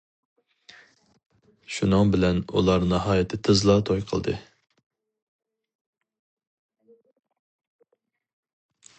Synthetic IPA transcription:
ʃunɨŋbɪlɛnṵlˠɑɾnɑɦɑːjɛt̪ʰɪt̪ʰɨzlˠɑt̪ʰojqʰəlˠd̪ɨ̰

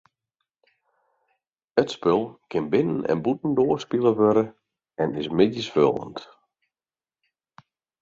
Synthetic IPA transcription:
ətspølˠkʰɪnbɪnənɛ̰nbutn̩doərspilˠəʋøɾə | ɛnɪsmɪdjəsfø̰lˠə̰nt

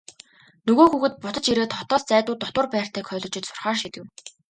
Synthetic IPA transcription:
nɵɣoːxuɣɘ̆t̪̚pʊt̪ə̆t͡ɕiɾeːt̪χɔt̪ɔːst͡sæːt̪ʊːt̪ɔt̪wə̆rpæːr̥t̪ʰæːkχʰœːɮɞ̆t͡ɕɪ̆t͡ɕ̪sʊ̥rχaːʃit̪ɘ̆w

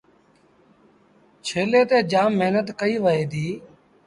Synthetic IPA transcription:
t͡ʃʰeːleːt̪eːd͡ʒaːmːeɦnət̪kəiːʋəɦeːd̪iː

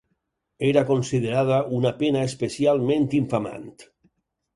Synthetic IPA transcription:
eɾakonsiðeɾað̞aunapenaespesialˠmẽnt̪iɱfama̰nt̪

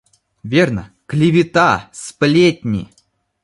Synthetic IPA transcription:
vʲernə̰ | klʲɪvʲɪt̪asplʲet̚ʲnʲḭ

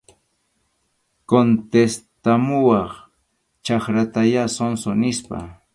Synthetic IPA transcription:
kont̪est̪amʊwɑχ | t͡ʃɑχɾat̪ajasonsonɪspa̰

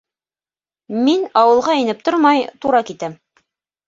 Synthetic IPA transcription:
minɑwɤ̆lˠʁɑinɘp̚t̪oɾmɑjt̪uɾɑkit̪æm

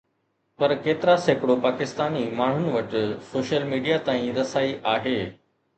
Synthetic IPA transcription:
pɐɾkeːt̪ɪɾasekɽopaːkɪst̪aːnimaːɳ̤ʊnɪ̆ʋɐʈɪ̆soːʃəlmiːɖijat̪aːĩɾɐsaːiʔaːɦeː

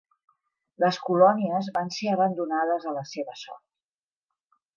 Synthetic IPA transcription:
ləskulɔniəzβanseəβənd̪unað̞əzələseβəsɔ̰rt̪̚

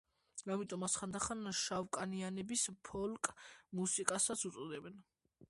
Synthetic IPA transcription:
amit̪ʼɔmasχand̪aχanʃavkʼanianɛbispʰɔlkʼmusikʼasat̪sʰut̪sʼɔd̪ɛbɛn

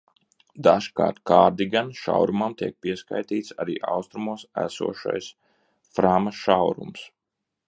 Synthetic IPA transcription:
d̪aʒka̰ːɾt̪kaːɾd̪iɡanʃa̰wɾumamt̪iɛk̚piɛska̰jt̪iːt̪saɾiːʔa̰wst̪ɾumuɔsæ̰sṵɔʃa̰js | fɾamaʃawɾṵms

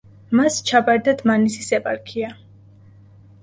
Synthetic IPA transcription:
mast͡ʃʰapʼaɾd̪ad̪ʰmanisisɛpʼa̰ɾkʰia

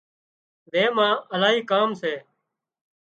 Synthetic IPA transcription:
ʋeːmãːʔəlaːɦiːkaːmseː

